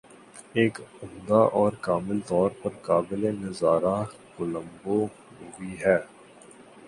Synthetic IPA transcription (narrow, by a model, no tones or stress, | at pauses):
eːkʊmd̪aʔɔːɾkaːmɪlt̪ɔːɾpɐɾkaːbɪlenɐzaːɾa | ɡʊlə̃mbo | ʊiɦɛː